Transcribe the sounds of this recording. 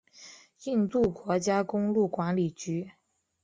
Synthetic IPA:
i˥˧nt̪u˥˩kwɔ˧˥t͡ɕja˥kʊ˥ŋlu˥˩kwa˧˥nli˨˩t͡ɕy˧˥

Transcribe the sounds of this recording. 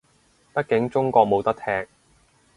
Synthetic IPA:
pɐ˥t̚kɪ˨˥ŋt͡sʊ˥ŋkɔː˧k̚mo˨˧wt̪ɐ˥k̚t̪ʰɛː˥k̚

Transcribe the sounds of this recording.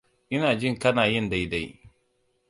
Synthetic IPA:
ʔɪ˦naː˨d͡ʒi˦ŋka˦naː˨ji˦nda˨jda˨j

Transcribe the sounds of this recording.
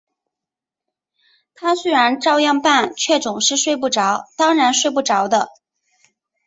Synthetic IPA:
t̪ʰa˥swe˥ɪɻa˧˥nʈ͡ʂɑ˥˧ʊjɑ˥˧ŋpa˥˩nt͡ɕʰɥɛ˥˩t͡sʊ˨˩ŋʂɻ̩˥˧ʂwe˥˧ɪp̬u˥˩ʈ͡ʂɑ˧˥ʊt̪ɑ˥ŋɻa˧˥nʂwe˥˧ɪp̬u˥˩ʈ͡ʂɑ˧˥ʊd̪ə˧

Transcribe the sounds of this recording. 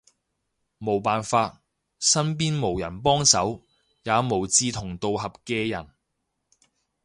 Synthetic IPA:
mo˨˩wpaː˨nfaː˧t̚ | sɐ˥npiː˥nmo˨˩wjɐ˨˩npɔː˥ŋsɐ˨˥w | jaː˨˧mo˨˩wt͡siː˧t̪ʰʊ˨˩ŋt̪o˧wɦɐ˨p̚kɛː˧jɐ˨˩n

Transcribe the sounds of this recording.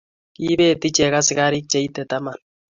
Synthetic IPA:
ki˦be˦˨ti˦t͡ʃɛ˨ka˦sɪ˦ka˦ɾi˦t͡ʃe˨˦i˦tɛ˨ta˦ma˨n

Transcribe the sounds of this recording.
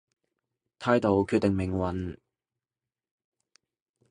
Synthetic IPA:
t̪ʰaː˧˥jt̪o˨˧wkʰy˧t̪̚ːɪ˨ŋmɪ˨˩ŋwɐ˨˥n

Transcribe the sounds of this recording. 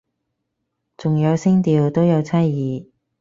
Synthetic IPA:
t͡sʊ˨ŋjɐ˨˧wsɪ˥ŋt̪iː˧wt̪o˥wjɐ˨˧wt͡sʰɐ˥jjiː˨˧

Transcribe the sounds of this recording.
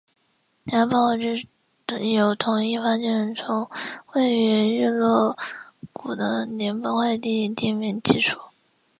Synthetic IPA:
nja˧˥pɑ˥˧x̩˥˧˥ | jo˨˩ʊt̪ʰʊ˧˥ŋi˥˧fa˥t͡ɕɛ˥˩nt͡sʰʊ˧˥ŋwe˥˩ɪy˧˥ɻ̩˥˧lɤ˥˩ku˨˩d̪ə˦njɛ˧˥npɑ˥˧ʊxwa˥˧ɪt̪̬i˥˧˥t̪i˥˩mjɛ˥˩nt͡ɕi˥˧ʈ͡ʂʰu˥˩

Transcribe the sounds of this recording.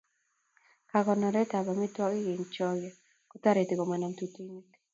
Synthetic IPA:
ka˨ɡɔ˨nɔ˨ɾɛ˦ta˨bɔ˨mi˦twɔ˦kɪ˦ɡɪ˨ŋt͡ʃɔ˦ɡɔ˨ | kɔ˦t̪a˦ɾe˨t̪i˨ko˨mɛ˨na˨mt̪u˦ti˦ŋi˦k

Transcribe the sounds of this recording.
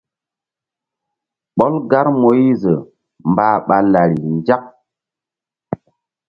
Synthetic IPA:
ɓɔ˦lɡa˦ɾmo˨ji˦zə˨ | mbaː˨˦ɓa˨la˨ɾi˨nd͡ʒa˦k̚

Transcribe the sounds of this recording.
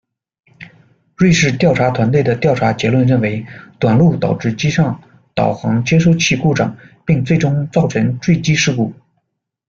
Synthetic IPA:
ɻwe˥˧ɪʂɻ̩˥˧t̪jɑ˥˩ʊʈ͡ʂʰa˧˥t̪ʰwa˧˥nt̪we˥˩ɪd̪ə˩t̪jɑ˥˩ʊʈ͡ʂʰa˧˥t͡ɕjɛ˧˥lwə˥˧nɻə˥˩nwe˧˥ɪt̪wa˨˩nlu˥˩t̪ɑ˨˩ʊʈ͡ʂɻ̩˥˩t͡ɕi˥ʂɑ˥˩ŋ | t̪ɑ̰˨˩ʊxɑ˧˥ŋt͡ɕjɛ˥ʂo˥˧ʊt͡ɕʰi˥˧ku˥˩ʈ͡ʂɑ̰˨˩˦ŋpi˥˧ŋt͡swe˥˩ɪʈ͡ʂʊ˥ŋt͡sɑ˥˩ʊʈ͡ʂʰə˧˥ŋʈ͡ʂwe˥˩ɪt͡ɕi˥ʂɻ̩˥˧ku˥˩

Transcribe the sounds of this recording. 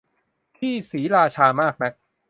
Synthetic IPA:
t̪ʰiː˥˩siː˩˦ɾaː˧t͡ɕʰaː˧maː˥˩k̚na˦˥k̚

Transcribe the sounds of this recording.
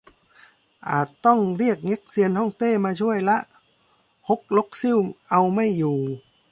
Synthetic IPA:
ʔaː˨˩t̪ːɔ˥˩ŋɾi˥˩ək̚ŋe˦˥k̚si˧ənh̪ʰɔː˥˩ŋt̪eː˧˥˩maː˧t͡ɕʰu˥˩əjla˦˥ʔ | ho˦˥k̚lo˦˥k̚sɯ˥˩˨wŋʔa˧wma˥˩jːuː˨˩

